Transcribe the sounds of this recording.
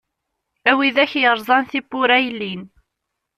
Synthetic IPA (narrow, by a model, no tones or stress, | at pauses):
æwiðæçjəɾˤzˤɑnθibʊɾæjlːin